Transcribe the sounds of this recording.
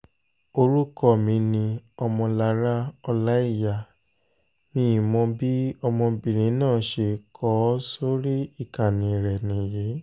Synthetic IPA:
o˧ɾu˦kɔ˦˨mĩ˨˦nĩ˧ɔ˧mɔ̃˧la˧ɾa˦ɔ˧la˦i˦˨ja˨ | nĩ˧˦˨mɔ̃˧bi˦ɔ˧mɔ̃˧bĩ˨ɾ̃ĩ˨˦nãː˦˨ʃe˧kʰɔ˦so˦ɾi˦i˦˨kã˨nĩ˨˦ɾɛ˨nĩ˨je˨˦

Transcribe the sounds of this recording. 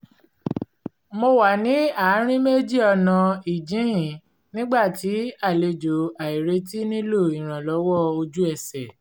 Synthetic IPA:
mo˧wa˨nĩ˨˦a˨˦ɾ̃ĩ˦me˦d͡ʒi˦˨ɔ˧nã˧i˨d͡ʒĩ˨˦jĩ˨ | nĩ˦ɡ͡ba˦˨ti˨˦a˦˨le˧d͡ʒo˨a˨i˨ɾe˧˦ti˦nĩ˦lo˦˨i˨ɾ̃ã˨lɔ˨˦wɔ˦˨o˧d͡ʒu˦ɛ˦˨sɛ˨

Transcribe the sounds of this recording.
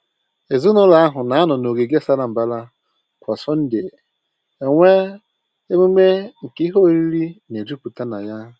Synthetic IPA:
e˨zu˦nʊ˦la˦a˦ɦʊ˨na˨a˦nʊ˨no˨ɡe˨ɡe˦sa˦ɾa˨m̩˨ba˦la˦ | kʷa˨sɔ˦n̩˦dɪ˨ | e˨ŋʷe˦ | e˦me˦me˦ŋ̩˨kɦo˦ɾi˦ɾi˦ne˨d͡ʒu˦pu˨ta˦na˨ja˦

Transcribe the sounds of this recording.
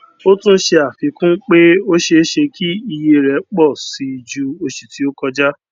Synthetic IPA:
o˦tũ˦ʃe˧a˨fi˨˧kũ˦k͡pe˦o˦ʃe˧˦ʃe˧kʰi˦i˧je˧ɾɛ˨˦k͡pɔ˦˨si˧i˧d͡ʒu˦o˦ʃi˧ti˨˦o˦kɔ˧d͡ʒa˦

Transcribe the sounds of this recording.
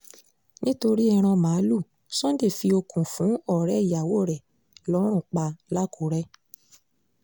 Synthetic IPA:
nĩ˦to˧ɾi˦ɛ˧ɾ̃ã˧mã˨˦lu˦˨ | sɔ̃˦de˦˨fi˧o˧kũ˨fũ˨˦ɔ˦˨ɾɛ˨˦i˦˨ja˨wo˦˨ɾɛ˨ | lɔ˨˦ɾ̃ũ˦˨k͡pa˧la˦kʰu˨˦ɾɛ˦

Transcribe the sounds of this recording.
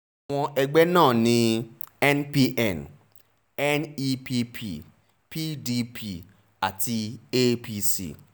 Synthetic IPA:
aa˨w̃ɔ̃˧ʔe˨ɡ͡be˦nãː˦˨nĩ˦ | ɛ˦npi˦ʔɛ˨n | ɛ˦ni˦pi˦pʰi˦˨ | pi˦di˦pʰi˨ | a̰˨ti˧e˦pi˦sḭ˨

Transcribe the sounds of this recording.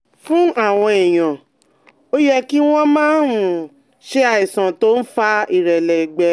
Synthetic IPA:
fũ˦a˦˨w̃ɔ̃˧i˨j̃ã˨ | o˦jɛ˦ki˦w̃ɔ̃˦mãː˦ɾũ˨ | ʃe˦a˧i˨sã˨to˦n̩˦fa˧i˨ɾɛ˨lɛ˨ɡ͡bɛ˨˦

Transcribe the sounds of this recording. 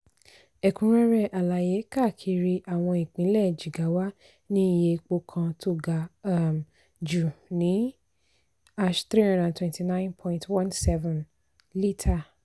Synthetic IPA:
ɛ˨kũ˨˦ɾ̃ɛ̃˦˧ɾɛ˦˨ʔa˨la˨je˨˦ka˦˨kʰi˧ɾi˧ʔa˨w̃ɔ̃˧ĩ˨k͡pĩ˨˦lɛ˦˨d͡ʒi˨ɡa˨˦wa˦ | nĩ˦˨je˧k͡po˧kʰã˧tʰo˦˨ɡa˨a˦m | d͡ʒu˨nĩ˨˦ | a˦ʃt̪ɾi˦hã˦ndã˨twɛ̃˧nti˨nã˦j̃npʰɔ̃˧ĩ˧ntʰwã˦nsɛ˦vɔ̃˨n | li˦tʰa˦˨

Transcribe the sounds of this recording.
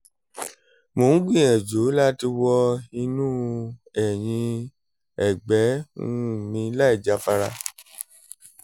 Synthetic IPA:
mõ˨˦ɡ͡bĩ˦˨ɛ˨d͡ʒo˨˦la˦ti˧wɔ˧i˧nũː˦ɛ˨j̃ĩ˧ | ɛ˨ɡ͡bɛ̃˨˦˧ | mĩ˧˦la˦i˦˨d͡ʒa˧˦fa˧ɾa˧

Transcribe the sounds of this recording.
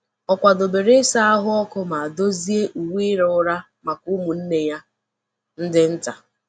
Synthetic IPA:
ɔ˨kʷa˨do˨be˨ɾe˦sa˦a˦ɦʊ˦ɔ˦kʊ˦ma˨a˨do˦zi˦e˦ʔu˨wiː˦ɾʊ˨ʊ˦ɾa˦ | ma˨kʊ˦mu˨n̩˦ne˨ja˦ | n̩˦dɪ˦n̩˦ta˨

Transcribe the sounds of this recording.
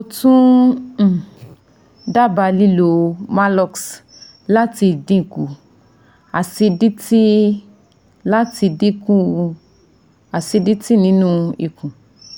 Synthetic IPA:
o˧tũ˦˨ | da˦ba˧li˦lo˨ma˦lɔ˧ks | la˦ti˧˨dĩ˦i˨ku˨ | a˨si˧di˦ti˦ | la˦ti˧di˦kũ˦ | a˨si˧di˦ti˦nĩ˨˦nũ˦ḭ˨kũ˨

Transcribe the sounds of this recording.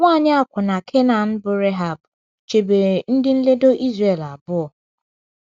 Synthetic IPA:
ŋʷaː˦˨ɲɪ˦a˦kʷʊ˨na˨kʰe˦na˨n̩˦bʊ˨ɾe˦ɦa˨b | t͡ʃe˨be˨n̩˦dɪ˦n̩˦le˦do˦ʔi˦zre˨la˨bʊ˦ɔ˨

